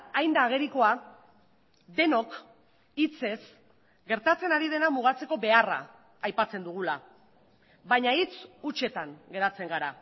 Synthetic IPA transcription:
ajnd̪aːɣ̞e̞ɾiko̞a | d̪e̞no̞k | it͡se̞s | ɡe̞ɾt̪at͡se̞naɾið̞e̞namuɣ̞at͡se̞ko̞be̞ara̰ː | jpat͡se̞nd̪uɣ̞ula | βaɲait͡sut͡ʃe̞t̪aŋɡe̞ɾat͡se̞ŋɡaɾa

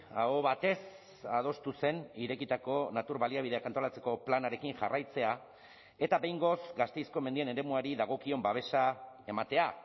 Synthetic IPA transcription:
aɣo̞βat̪e̞s | að̞o̞st̪use̞niɾe̞kit̪ako̞nat̪uɾβaliaβiðe̞akant̪o̞lat͡se̞ko̞planaɾe̞kinʝarʔajt͡se̞a | e̞t̪abe̞jŋɡo̞sɡast̪e̞jsko̞mend̪ie̞ne̞ɾe̞muaɾiðaɣ̞o̞kio̞mbaβ̞e̞ʃa | e̞mat̪e̞a

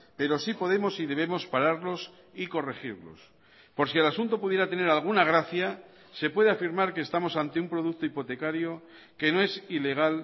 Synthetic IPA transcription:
pe̞ɾo̞sipo̞ðe̞mo̞siðe̞β̞e̞mo̞spaɾaɾlo̞s | iko̞re̞xiɾlo̞̰s | po̞ɾsielasunt̪o̞puðje̞ɾat̪e̞ne̞ɾalɣ̞unaɣ̞ɾaθja | se̞pwe̞ðe̞afiɾmaɾkeːst̪amo̞sant̪eumpɾo̞ð̞uk̚t̪oipo̞t̪e̞kaɾjo̞ | ke̞no̞e̞sile̞ɣ̞al

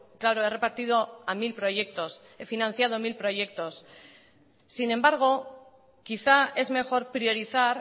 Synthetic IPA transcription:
klaɾo̞e̞re̞paɾt̪ið̞o̞amilpɾo̞ʝe̞k̚t̪o̞s | e̞finãn̟θjað̞o̞milpɾo̞ʝe̞k̚t̪o̞s | ine̞mbaɾɣ̞o̞ | kiθae̞zme̞xo̞ɾpɾio̞ɾiθaɾ

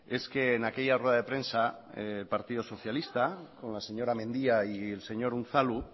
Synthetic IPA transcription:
e̞skeːnakejarweðaðepɾe̞nsaelpaɾt̪ið̞oso̞θjalist̪ako̞nlase̞ɲoɾamẽ̞nd̪iaielse̞ɲo̞ɾun̟θalu

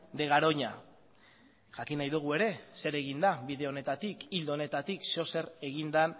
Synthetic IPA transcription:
d̪e̞ɣ̞aɾo̞ɲa | ʝakinajðuɣ̞ue̞ɾe̞se̞ɾe̞ɣ̞ind̪aβiðe̞o̞ne̞t̪at̪ikild̪one̞t̪at̪ikso̞se̞re̞ɣ̞ind̪an

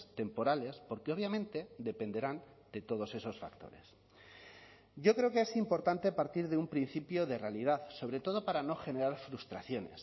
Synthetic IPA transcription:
st̪e̞mpo̞ɾale̞spo̞ɾkeo̞β̞jamẽ̞nt̪e̞d̪e̞pe̞nd̪e̞ɾan | d̪e̞t̪o̞ð̞o̞se̞so̞sfa̰kt̪o̞̰ɾe̞s | ɟ͡ʝo̞kɾeokeesimpo̞ɾt̪ant̪e̞paɾt̪iɾðeumpɾin̟θipjo̞ð̞e̞realið̞aðso̞βɾe̞t̪o̞ð̞o̞paɾano̞xe̞ne̞ɾaɾfɾust̪ɾaθjo̞ne̞̰s

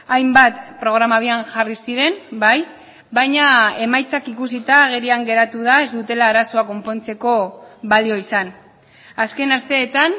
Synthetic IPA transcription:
ajmbat̪pɾo̞ɣ̞ɾamaβianʝarisiɾe̞nbaj | bajɲae̞majt͡sakikusit̪aɣ̞eɾiaŋɡe̞ɾat̪uðae̞zd̪ut̪e̞laːɾaso̞ako̞mpo̞nt͡se̞ko̞βalio̞isan | aske̞nast̪e̞ːt̪an

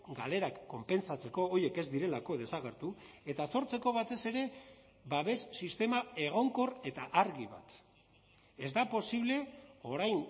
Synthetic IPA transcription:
ɡa̰le̞ɾakːo̞mpe̞nsat͡se̞ko̞ːje̞ke̞zd̪iɾe̞lako̞ð̞e̞saɣeɾt̪u | e̞t̪aso̞ɾt͡se̞ko̞βat̪e̞se̞ɾe̞ | βaβe̞sːist̪e̞mae̞ɣ̞o̞ŋko̞re̞t̪aʔaɾɣiβa̰t̪ | e̞zd̪apo̞siβle̞o̞ɾajn

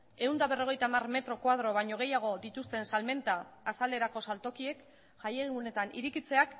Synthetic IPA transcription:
e̞und̪aβe̞ro̞ɣ̞e̞jt̪amarme̞t̪ɾo̞kwað̞ɾo̞β̞ajɲo̞ɣ̞e̞jaɣ̞o̞d̪it̪ust̪e̞nsalme̞nt̪aːsale̞ɾako̞salt̪o̞kie̞k | ʝajeɣiɣune̞t̪anḭɾikit͡se̞ak

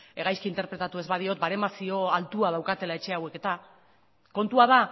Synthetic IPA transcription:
e̞ɣajskiːnt̪e̞ɾpɾe̞t̪at̪uezβaðio̞t̪̚baɾe̞masio̞alt̪uað̞awkat̪e̞laet͡ʃe̞awe̞ke̞t̪a | ko̞nt̪uaða

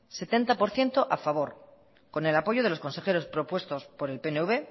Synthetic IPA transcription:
se̞t̪e̞nt̪apo̞ɾθje̞nt̪o̞ʔafaβ̞o̞ɾ | ko̞ne̞lapo̞ʝo̞ð̞e̞lo̞sko̞nse̞xeɾo̞spɾo̞pwe̞st̪o̞spo̞ɾe̞lpeneuβe̞

